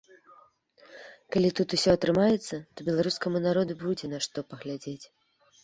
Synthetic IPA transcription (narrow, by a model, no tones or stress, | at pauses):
kalʲit̪ut̪usʲɔɐt̪ɾɨmajɛt̪sːɐt̪ɔbʲɛlˠaɾuskɐmunaɾɔd̪ubud͡zʲɛnaʂt̪ɔpɐɣlʲad͡zʲet͡sʲ